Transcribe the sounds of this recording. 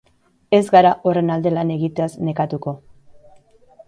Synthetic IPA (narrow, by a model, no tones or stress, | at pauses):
e̞zɡaɾaʔo̞re̞nald̪e̞lane̞ɣit̪easne̞kat̪uko̞